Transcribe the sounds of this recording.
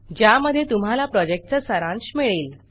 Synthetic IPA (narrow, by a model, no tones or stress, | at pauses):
d͡ʑjaməd̪ʱːjet̪um̤alapɾɔd͡ʑek̚ʈt͡səsəɾãnɕmiɭiːl